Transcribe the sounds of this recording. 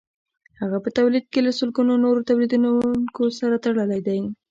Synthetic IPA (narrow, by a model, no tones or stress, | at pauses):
haɣapət̪awlid̪̚kelasʊlkunonoɾot̪awlid̪unkosaɾat̪aɽəlajd̪aj